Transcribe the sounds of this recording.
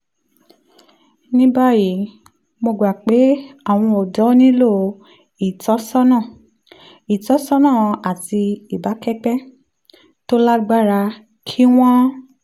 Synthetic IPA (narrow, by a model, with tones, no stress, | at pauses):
nĩ˦ba˦ji˨˦ | mo˧ɡ͡ba˨k͡pe˨˦a˦˨w̃ɔ̃˧o˨dɔ˨˦nĩ˦lo˦˨ | i˨tɔ˨˦sɔ˦nã˦˨ | i˨tɔ˨˦sɔ˦nã˦˨a˨ti˧i˨ba˨˦kɛ˦k͡pɛ˦ | to˦la˦ɡ͡ba˦˨ɾa˧ | kʰi˦w̃ɔ̃˦